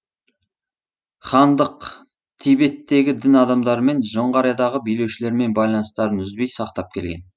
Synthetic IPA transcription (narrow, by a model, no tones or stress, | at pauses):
χɑnd̪əq | t̪ʰijbe̞t̪ːe̞ɡʲɪd̪ɪnɑd̪ɑmd̪ɑɾəme̞nʒoɴʁɑɾɑjɑd̪ɑʁəbijle̞wʃɪle̞ɾme̞nbɑjlˠɑnəst̪ɑɾənʏzbejsɑqt̪ɑp̚kʲʰe̞lɡʲe̞n